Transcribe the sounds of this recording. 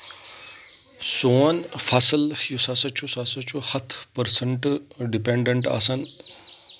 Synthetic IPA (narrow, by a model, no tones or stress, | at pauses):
soːnfʰasəljusɐsɐt͡ʃʰusɐsɐt͡ʃʰuhɐt̪ʰpəɾsəɳʈ | ɖipeɳɖeɳʈɐ̰sɐn